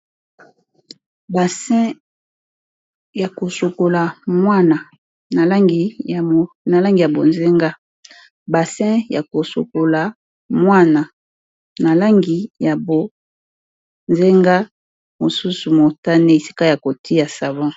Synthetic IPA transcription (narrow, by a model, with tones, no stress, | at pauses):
ba˨sɛ̃˦ | ja˨ko˨so˨ko˨la˨mwa˦na˨ | na˨la˦ŋɡi˨ | na˨la˦ŋɡi˨ja˨bo˨nze˦ŋɡa˦ | ba˨sɛ̃˦ja˨ko˨so̰˨ko˨la˨ | mwa˦na˨ | na˨la˦ŋɡi˨ja˨bo˨ | nze˦ŋɡa˦ | mo˨su˦su˨mo˨ta˦ne˦e˨si̥˦ka˦ja˨ko˨tʰi˦ja˨sa˨vɔ̃˦